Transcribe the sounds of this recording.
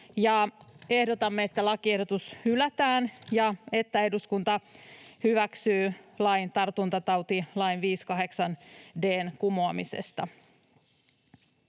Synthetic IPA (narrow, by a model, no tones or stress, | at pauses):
jɑe̞hdot̪ɑmːeet̪ːælɑkie̞hdo̞t̪ushylæt̪æːnjɑe̞t̪ːæe̞duskunt̪ɑhyʋæksyːlɑjnt̪ɑrt̪unt̪ɑt̪ɑwt̪ilɑinʋiːskɑɦe̞ksɑnde̞ːnkumoɑmise̞̰st̪ɑ̰